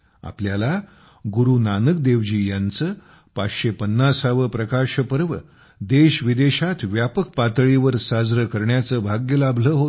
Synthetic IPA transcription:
a̰pljala | ɡuɾunanək̚d̪eʋd͡ʑiːjant͡sə | patɕepənːasaʋəpɾəkaɕəpəɾʋə | d̪eɕʋid̪eɕat̪ʋjapək̚pat̪ɭiʋəɾsad͡zɾəkəɾɳjat͡səːbʱaɡjəlabʱləːɦot̪

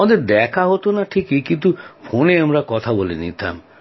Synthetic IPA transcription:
ad̪eɾd̪ɛkʰaɦot̪onaʈʰikikint̪upʰoneamɾakɔt̪ʰabolinḭt̪ʰa̰m

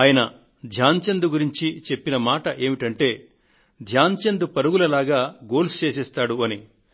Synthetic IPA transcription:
aːjɐnɐ | d̪ʱjaːɲt͡ʃɐnd̪uɡuɾiɲt͡ʃit͡ʃe̞pːinɐmaːʈɐʔe̞ːmiʈɐɳʈe̞ː | d̪ʱjaːɲt͡ʃɐnd̪upɐɾuɡulɐlaːɡaːɡo̞ːlst͡ʃe̞ːsɛːst̪aːɽuɐni

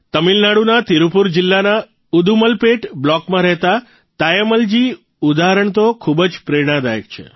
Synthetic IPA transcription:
t̪əmilnaɽunat̪iɾupuɾd͡ʒɪlːana | ud̪uməlpeʈblɔkmãɾɛɦt̪a | t̪ajəməld͡ʒi | ud̪aɦəɾəɳ̃t̪okʰubd͡ʒpɾeɾɽ̃ãd̪ajək̚t͡ʃʰḛ

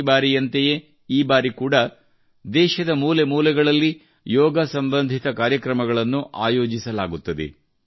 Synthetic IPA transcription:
baːɾijɐnt̪eje | iːbaːɾikuːɽɐ | d̪ɛːʃɐd̪ɐmuːlemuːlɛɡɐɭɐlːi | jɔːɡɐsɐmbɐnd̪ʱit̪ɐkaːɾjɐkɾɐmɐɡɐɭɐnːuʔaːjoːd͡ʒisɐlaːɡut̪ːɐd̪ḛ

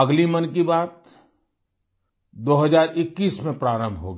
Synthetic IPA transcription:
əɡlimɐnkibaːt̪̚ | d̪oːɦəzaːɾɪkːiːsmẽpɾaːɾə̃mbʱɦo̰ːɡ

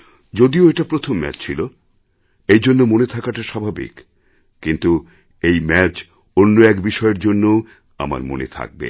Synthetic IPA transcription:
d͡ʑod̪ioeʈapɾot̪ʰomːɛ̰t͡ɕt͡ɕʰilo | ejd͡ʑonːomonet̪ʰakaʈaʃabʱabḭkː | int̪u | ejmɛt͡ɕ | onːoɛkbiʃɔeɾd͡ʑonːoo | a̰ma̰ɾmo̰nḛt̪ʰa̰k̚bḛ

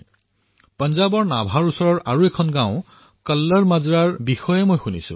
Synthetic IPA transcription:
pənzabɔɹnabʱaɹusɔɹɔɹʔaɹuɛkʰɔnɡãʊ̃ | kəlːəɹmazuɹaɹbixɔjɛmojxunisʊ̰̃

